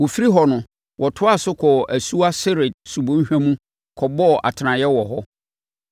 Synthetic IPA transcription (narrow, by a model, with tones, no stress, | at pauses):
wo˨fi˦ɾi˦ɦɔ˨nʊ̃˨ | wʔɔ˨tʰʊ˦a˦˨sʊ˦kʰɔ˨æ˨su˦a˦sɪ˦ɾɪ˨d̚su˨bõ˦n̩˦ɕᶣæ̃˦mũ˦ | kʰɔ˨bɔ˦˨ʔa̰˨tʰɪ˨nã˨jɛ˦wɔ˨ɦɔ˦